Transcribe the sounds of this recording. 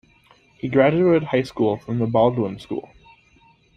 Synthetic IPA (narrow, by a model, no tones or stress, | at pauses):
hiɡɹæd͡ʒʉeɪt̚haɪskulˠfɹʌ̃mðəbɑlˠdwə̃nskṵlˠ